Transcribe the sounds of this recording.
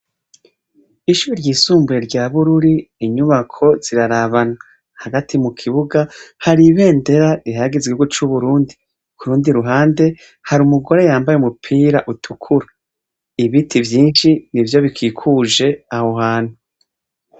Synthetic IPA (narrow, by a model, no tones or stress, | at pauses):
iʃuɾiɾɟiːsuːmbuje̞ɾɟaːβuɾuɾiːɲuβakʰo̞z̥iɾaɾaβana | haɡatʰimukʰiβuɡahaɾiβe̞ːnde̞ɾaiɦaɡizɡweɡut͡ʃuβuɾuːndi | kuɾuːndiɾuɦaːnde̞ | haɾumuɡo̞ɾe̞jaːmbajeumupʰiːɾaʔutʰukʰuɾa | iβitʰivjiːnʃinivjo̞βikʰiːkʰuʒe̞aho̞ɦaːn̥hu